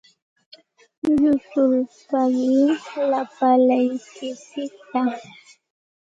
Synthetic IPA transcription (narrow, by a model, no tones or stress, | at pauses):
ʎʊsʊlpamɪlapalajkɪsɪt̪a